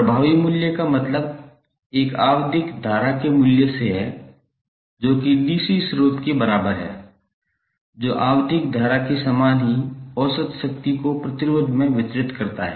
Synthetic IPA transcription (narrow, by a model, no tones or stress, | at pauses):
pɾəbʱaːʋimʊljəkamɐt̪ləb̚ | eːkaːwd̪ʱɪkd̪ʱaːɾakemʊljəseɦɛ | d͡ʒoːkid̪iːsisɾoːt̪kebɐɾaːbəɾɦɛ̰ː | d͡ʒoːʔaːwd̪ʱɪkd̪ʱaːɾakisaːmaːnɦiɔːsət̪ʃək̚t̪ikopɾɐt̪ɪɾoːd̪ʱmẽʋɪt̪ɾɪt̪kɐɾt̪aɦɛ̰ː